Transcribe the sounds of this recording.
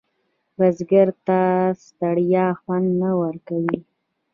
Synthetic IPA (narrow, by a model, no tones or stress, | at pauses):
ɾazɡaɾt̪ast̪aɽjɑxwand̪nawəɾkawi